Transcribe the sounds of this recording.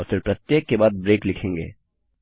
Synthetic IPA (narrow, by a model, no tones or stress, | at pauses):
ɔɾfɪɾpɾɐt̪jeːkːebaːd̪̚bɾeːklɪkʰẽːŋɡḛː